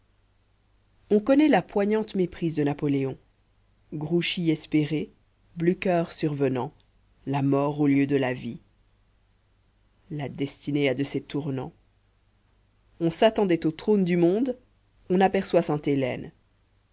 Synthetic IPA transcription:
ɔ̃kɔnɛlapwaɲɑ̃t̪mepχizd̪ənapɔleɔ̃ | ɡʁuʃiɛspeʁe | blykʲœʁsyʁvənɑ̃ | lamɔːʁoljød̪əlavi | lad̪ɛst̪inead̪əset̪uʁnɑ̰̃ | ɔ̃sat̪ɑ̃d̪ɛt̪ot̪χond̪ymɔ̃d̪ | ɔ̃napɛʁswasɛ̃t̪elɛ̰n

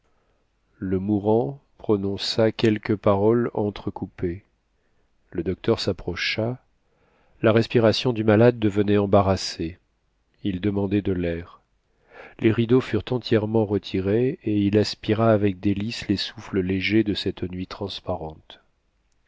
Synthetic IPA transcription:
ləmuʁɑ̃pχɔnɔ̃sakʲɛlkəpaʁɔlɑ̃t̪χəkupe | ləd̪ɔk̚t̪œʁsapχɔʃa | laʁɛspiʁasjɔ̃d̪ymalad̪ːəvənɛɑ̃baʁase | ild̪əmɑ̃d̪ɛd̪əlɛʁ | lʔeʁid̪ofyʁt̪ɑ̃t̪ʰjɛʁmɑ̃ʁət̪ʰiʁeeilaspiʁaːvɛk̚d̪elislesufləleʒed̪əsɛt̪nɥit̪χɑ̃spaʁɑ̃t̪

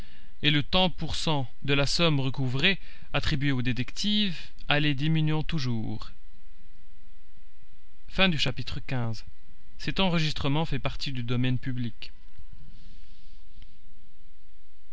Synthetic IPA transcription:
elət̪ɑ̃puʁsɑ̃ | d̪əlasɔmʁəkuvʁe | at̪χibɥeod̪et̪ɛkt̪ʰiv | aled̪iminɥɔ̃t̪uʒuːʁ | fɛ̃d̪yʃapit̪χəkʲɛ̃z | sɛt̪ɑ̃ʁəʒist̪χəmɑ̃fɛpaʁt̪id̪yd̪ɔmɛnpyblik

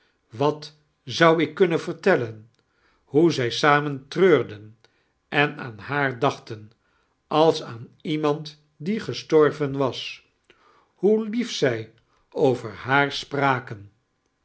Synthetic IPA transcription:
ʋɑt | zɑwɪkːɵnənvəɹtɛlən | ɦuzɛjsaːməntrøːɹdən | ɛnaːnhaːɹdɑχtən | ʔɑlˠsaːnimɑnt | diχəstɔɹvənʋɑs | hulifsɛj | owvəɹhaːɹspraːkən

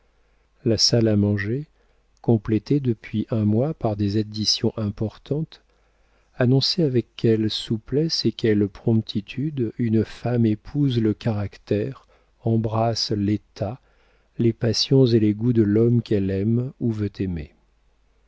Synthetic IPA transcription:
lasalamɑ̃ʒe | kɔ̃plet̪ed̪əpɥiʔɛ̃mwapaʁd̪ezad̪isjɔ̃ʔɛ̃pɔʁt̪ʰɑ̃t̪ | anɔ̃sɛavɛkːɛlsuplɛsekʲɛlpχɔ̃pt̪ʰit̪ʰyd̪ynfamepʰuzləkaʁakt̪ɛʁ | ɑ̃bʁaslet̪ʰa | lepasjɔ̃zeleɡud̪əlɔmkɛlɛmuvøt̪ʰemḛ

